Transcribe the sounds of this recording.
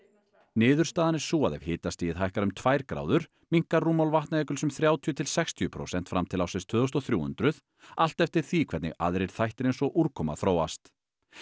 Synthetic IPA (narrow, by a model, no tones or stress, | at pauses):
nɪːðʏɾ̥st̪aːðanɪ̥suːaðɛvhɪːt̪ast̪iːjɪɦajhkaɾʏmt̪ʰvajɾkɾa̰ːwðʏɾ̥ | miŋ̥karːuːmawlvaht̪naɛːkʏlsʏmθɾjaːwt̪ʰiʏt̪ʰɪlsɛxst̪ʰiʏpʰɾo̰ːwsɛn̥t̪fɾamt̪ʰɪlawsɪst̪ʰvœːðɔst̪ɔθɾjuːhʏ̰nt̪ɾʏð | al̥t̪ɛft̪ɪɾ̥θikʰvɛɾt̪nɪ̰ɣa̰ðɾɪɾ̥θajht̪ɪɾejnsɔʔuɾkʰɔːma̰θɾoːwa̰st̪